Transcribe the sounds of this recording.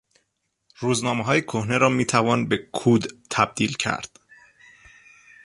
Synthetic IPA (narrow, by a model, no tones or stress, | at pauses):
ɾuːznɒːmeɦɒːjekʰohneɾɒːmiːt̪ʰævɒːnbekʰuːd̪t̪ʰæb̚d̪iːlcʰæ̰ɾd̪̥